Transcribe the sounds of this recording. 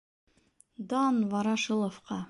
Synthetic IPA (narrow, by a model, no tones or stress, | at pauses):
d̪ɑnvɑɾɑʃɤlˠofqɑ